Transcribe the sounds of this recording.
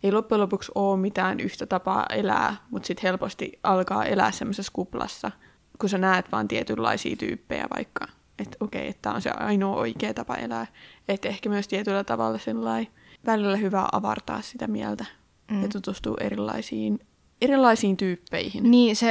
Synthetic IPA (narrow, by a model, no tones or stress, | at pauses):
eilopːulopuksoːmmit̪æːnyht̪æt̪ɑpɑ̰ːʔelæ̰ːmut̪sit̪helpost̪ḭʔɑlkɑ̰ːʔelæ̰ːssemːoseskuplɑ̰sːɑ | kusænæːt̪ʋɑːnt̪iɛt̪ylːɑ̰isḭːt̪y̰ːpːejæ̰ʋɑ̰ikːɑ | et̪okeiet̪ːæo̰nsḛɑ̰inoːʔo̰ikeːt̪ɑpɑ̰ʔḛlæːet̪ehkæmyøst̪iɛt̪ylːæt̪ɑʋɑ̰lːɑsilːɑi | ʋælilːæhyʋæ̰ːʔɑʋɑ̰rt̪ɑ̰ːssit̪æmiælt̪æ | jɑt̪ut̪ust̪ṵːʔeɾilːɑ̰isiːn | eɾilːˑɑisiːnt̪yːpːeihinniːse